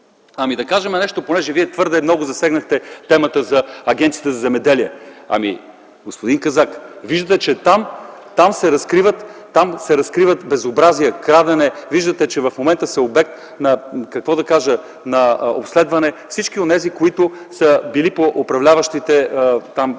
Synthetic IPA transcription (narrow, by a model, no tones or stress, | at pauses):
ɐmid̪ɐkaʒɛmɛnɛʃt̪oponɛʒɛviɛt̪vɤɾd̪ɛːmnɔɡʊzɐsɛɡnɐxt̪ɛt̪ɛmət̪əzɐɐɡʲɛnt̪sijət̪əzɐzɛmɛd̪ɛliəɐ̰mḭ | ɡospod̪inkɐzakviʒd̪ət̪ɛt͡ʃɛt̪amt̪amsɛɾɐskɾivət̪ː | amsɛɾɐskɾivət̪bɛzobɾazijəkɾad̪ɛnɛviʒd̪ət̪ɛt͡ʃɛvɐfmomɛnt̪əsɛobɛk̚t̪ | nɐkɐkvɔd̪ɐkaʒə | nɐo̰pslɛd̪vɐnɛfsit͡ʃk̟ionɛzikoit̪ʊ | səbilipoʔopɾɐvlʲavɐʃt̪it̪ɛt̪am